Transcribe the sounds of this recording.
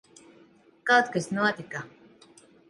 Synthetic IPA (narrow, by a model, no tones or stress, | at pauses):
kawt̪kasnuɔt̪ika